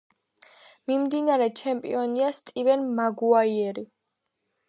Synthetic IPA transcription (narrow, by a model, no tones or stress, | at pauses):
mimd̪inaɾɛt͡ʃʰɛmpʼḭɔniast̪ʼivɛnmaɡuaiɛɾi